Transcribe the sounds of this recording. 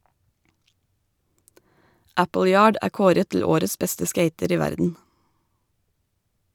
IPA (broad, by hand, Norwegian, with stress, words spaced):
ˈæpl̩ˌjɑːɖ ˈʔæː ˈkoːɾət tl̩ ˈoːɾəs ˈbɛstə ˈskeɪtəɾ ˈiː ˈʋæɾdn̩